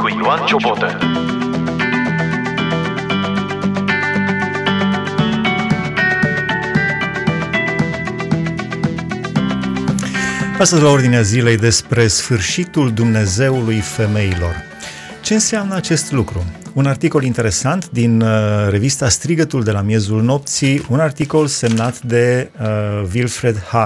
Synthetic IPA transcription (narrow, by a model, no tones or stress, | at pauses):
ant͡ʃoot̪e | ast̪əzlao̞rd̪ineazile̞jd̪e̞spɾe̞sfɨrʃit̪uld̪umne̞ze̞wulujfe̞me̞ilo̞̰r | t͡ʃe̞ɨnseamnəat͡ʃe̞st̪lukɾuunart̪iko̞lint̪e̞ɾe̞sant̪d̪inɾe̞vist̪ast̪ɾiɡət̪uld̪e̞lamje̞zulno̞p̚t̪siunart̪iko̞lse̞mnat̪d̪e̞ | vilfɾe̞d̪ha